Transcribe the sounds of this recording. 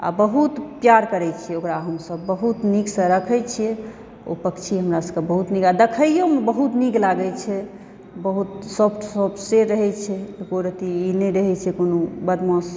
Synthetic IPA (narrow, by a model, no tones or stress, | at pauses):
a̰bəɦut̪pjaɾkəɾɛt͡ʃʰijɛokɾaɦəmsəbːəɦut̪niksə̃ɾəkʰɛjt͡ʃʰijɛ | o̰pəkt͡ʃʰiɦəmɾasəbkebəɦut̪niɡad̪əkʰəjjomebəɦut̪niɡlaɡət͡ʃʰɛ | bəɦut̪sɔpʰʈʰsɔp̚ʰʈʰseɾəɦɛt͡ʃʰɛt̪koɾət̪iinɛɾəɦɛt͡ʃʰɛkonobəd̪mos